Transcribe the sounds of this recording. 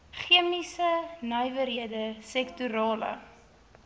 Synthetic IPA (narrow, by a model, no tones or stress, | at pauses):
χiəmisənəjvəɾiədəsɛktuɾɑːlə̰